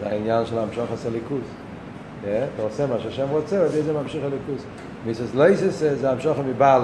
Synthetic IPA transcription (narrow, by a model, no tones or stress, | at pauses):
a̰injanʃɛlˠamʃɔχəsalˠikus | jɛtɔsɛmaːʃaʃɛmʁɔt͡sɛadizɛmamʃiχəlikus | misəslˠeɪsəsɛzeamʃɔχəmɪbal